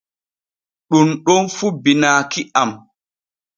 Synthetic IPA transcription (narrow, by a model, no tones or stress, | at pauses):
ɗunɗɔnfubinaːkiʔam